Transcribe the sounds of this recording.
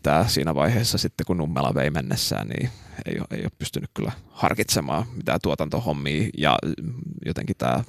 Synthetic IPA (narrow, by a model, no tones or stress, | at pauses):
t̪æːsiːnæʋɑiheːsːɑsit̪ːekunumːelɑʋeimenːesːæ̰ːnnḭːḛijo̰eijo̰ːppyst̪ynːykkylːæhɑrkit̪semɑːmit̪æːt̪uot̪ɑnt̪ohomːiːjɑ | jot̪ḛŋkit̪æː